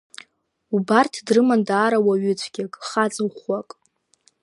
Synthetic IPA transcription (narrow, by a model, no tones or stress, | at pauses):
ubartʰdrɨmandaːɾawaɥʏt͡sʷʰɡʲakʼχat͡sʼɨχakʼ